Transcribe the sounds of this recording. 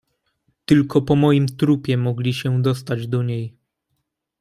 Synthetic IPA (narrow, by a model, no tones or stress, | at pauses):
t̪ɘlkʰɔpɔmɔjimt̪ɾupʲjɛmɔɡlʲiɕɛd̪ɔs̬t̪ad͡ʑd̪ɔɲej